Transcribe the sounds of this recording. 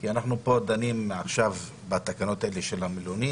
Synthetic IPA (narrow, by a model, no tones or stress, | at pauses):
kianaχnupo̞d̪animaχʃav | bat̪akano̞t̪aeleʃe̞lamiloni